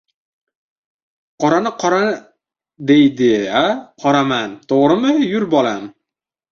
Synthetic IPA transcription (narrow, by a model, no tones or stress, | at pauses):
qɒɾanɪqʰɒɾa | d̪ejd̪ɪaqʰɒɾamant̪ʰoʁɾɪmɪjʊɾbɒlam